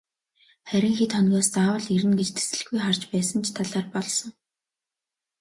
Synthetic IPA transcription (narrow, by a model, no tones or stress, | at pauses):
χæɾʲɪ̆ŋxit̪χɔnʲɣɔːst͡saːwə̆ɮiɾɘ̆nɡet͡ɕt̪ʰe̥sɘ̆ɮ̆ɡujχar̥t͡ɕpæːsə̆nt͡ɕʰt̪ʰaɮaːrpɔɮsɞ̆ŋ